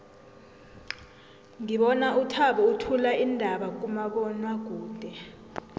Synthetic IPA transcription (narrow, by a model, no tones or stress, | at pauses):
ŋiɓɔnautʰaɓɔutʰulaʔindʱaɓak̬ʼumaɓɔnwaɡ̬uːnd̥ʱɛ